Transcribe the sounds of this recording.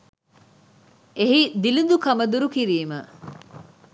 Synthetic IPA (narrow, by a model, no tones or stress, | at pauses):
eɦid̪ilud̪ukɐmɐd̪uɾukiɾiːmə